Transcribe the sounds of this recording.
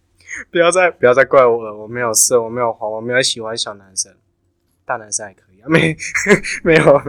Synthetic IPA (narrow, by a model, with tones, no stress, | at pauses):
pu˨˩jɑ˥˧ʊt͡sa˥˧ɪp̚u˨˩jɑ˥ʊt͡sa˥˧ɪkwa˥˩ɪwɔ˨˦ə˨˩wɔ˨˩me˧˥ɪjo˨˩ʊsɤ˥˨wɔ˨˩me˧˥ɪjo˨˩ʊxwa˧˦wɔ˨˩me˧˦˥jo˨˩ʊɕi˨˩xwa˧˦nɕjɑ˨˩ʊna˧˦nsə˥˩ | t̪a˥˧˩na˧˦nsə˥˩a˨˩kʰɤ˧˦i˨˩˨me˧˦ | me˧˦˥ɪjo˨˦